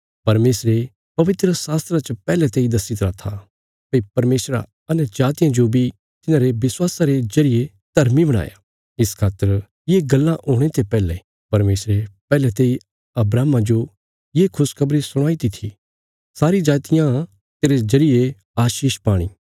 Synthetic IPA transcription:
pɐɾmeːsɾe | pɐʋɪt̪ɾəsaːst̪ɾat͡ʃəpɛːlɛt̪eːid̪ɐsɪt̪ɾaːt̪ʰːa | pɐipɐɾmeːsɾa̰ | ɐnɛ̃d͡ʒaːt̪ɪjãd͡ʒobʱi | t̪ɪnãːɾeʋɪswaːsaɾed͡ʒɐɾɪje | d̪ʱɐɾmibɐɽ̃a̰ːja̰ | ɪskʰaːt̪ːəɾ | jeɡɐlːãʔoːɽ̃et̪epɛːlɛ | pɐɾmeːsɾepɛːlɛt̪eːi | ɐbɾaːmãd͡ʒo | jeːkʰʊskʰɐbɾisʊɽ̃aːit̪it̪ʰi | saːɾid͡ʒaːt̪ɪjã | t̪eːɾed͡ʒɐɾɪje | aːʃiːʃpaːɽ̃ḭː

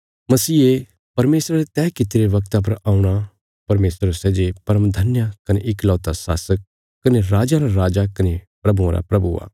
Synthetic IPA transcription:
mɐsiːe | pɐɾmeːsɾaɾet̪ɛːkɪt̪ɪɾeʋɐk̚t̪ap̬ɐɾaːũɽ̃a | pɐɾmeːsɾsɛːd͡ʒepɐɾəmd̪ʱɐnjakɐneʔɪklɔːt̪asa̰ːsəkː | ɐneɾaːd͡ʒãɾaɾaːd͡ʒakɐnepɾɐbuãɾa̰pɾɐbua̰ː

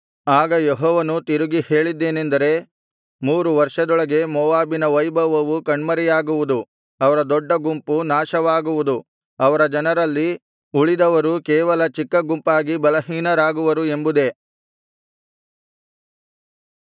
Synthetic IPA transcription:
aːɡɐjeɦɔːʋɐnut̪iɾuɡihe̞ːɭid̪ːe̞ːnend̪ɐɾe̞ | muːɾuʋɐɾʂɐd̪ɔɭɐɡe̞mɔːʋaːbinɐʋɐjbʱɐʋɐʋukɐɳmɐɾɛjaːɡuʋud̪u | ɐʋɐɾɐd̪ɔɖːɐɡumpunaːʃɐʋaːɡuʋud̪u | ɐʋɐɾɐd͡ʒɐnɐɾɐlːi | uɭid̪ɐʋɐɾukɛːʋɐlɐt͡ʃikːɐɡumpaːɡibɐlɐɦiːnɐɾaːɡuʋɐɾue̞mbud̪e̞

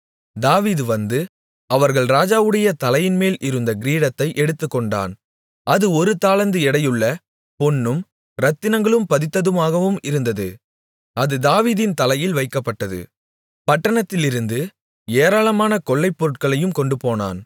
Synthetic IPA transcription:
d̪aːʋiːðɯʋɐnd̪ɯ | ɐʋɐɾɣɐɭɾaːd͡ʒaːʋɯɽɐjɐt̪ɐlɐjɪnmeːlʔɪɾɯnd̪ɐɡɪɾiːɽɐt̪ːɐɪʔɛɽɯt̪ːɯkːɔɳɖa̰ːn | ʔɐðɯɔɾɯt̪aːlɐnd̪ɯɛɽɐjɯɭːɐ | pɔnːɯm | ɾɐt̪ːɪnɐŋɡɐɭɯmpɐðɪt̪ːɐðɯmaːɣɐʋɯmɪɾɯnd̪ɐðɯ | ʔɐðɯd̪aːʋiːðɪnt̪ɐlɐjɪlʋɐɪkːɐpːɐʈːɐðɯ̰ | pɐʈːɐɳɐt̪ːɪlɪɾɯnd̪ɯ | eːɾaːɭɐmaːnɐkɔɭːɐɪpːɔɾɯʈ̚kɐɭɐjɯmkɔɳɖɯpoːna̰ːn

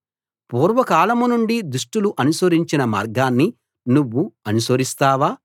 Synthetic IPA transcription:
puːɾʋɐkaːlɐmunuɳɖid̪uʂʈuluʔɐnusɐɾiɲt͡ʃinɐma̰ːɾɡaːnːi | nuʋːuɐnusɐɾist̪aːʋaː

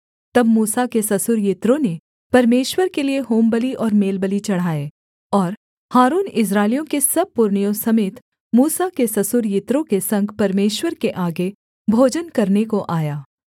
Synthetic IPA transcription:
t̪ɐbmuːsakesɐsʊɾjɪt̪ɾõne | pɐɾmeːʃwəɾkelieɦoːmbəliʔɔːɾmeːlbəlit͡ʃɐɽ̤aːeː | ɔːɾ | haːɾuːnɪs̬ɾaːɪlijõkesɐb̚pʊɾɳijõsɐmeːt̪ | muːsakesɐsʊɾjɪt̪ɾõkesɐ̃ŋɡpɐɾmeːʃwəɾkeʔaːɡe | bʱoːd͡ʒənkɐɾnekoʔaːjaː

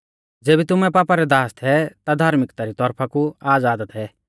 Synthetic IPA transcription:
d͡zeːbit̪ʊmɛ̃paːpaɾɛd̪aːst̪ʰɛt̪ad̪ʱaːɾmɪkt̪aɾit̪ɔɾpʰakuaːd͡zaːd̪ət̪ɦɛ

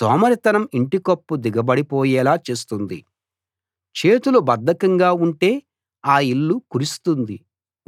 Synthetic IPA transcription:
sɔːmɐɾit̪ɐnɐmiɳʈikopːud̪iɡɐbɐɽipɔːjɛːlaːt͡ʃeːst̪und̪ḭ | t͡ʃe̞ːt̪ulubɐd̪ːɐkɐŋɡaːuɳʈe̞ː | aːiɭːukuɾist̪und̪i

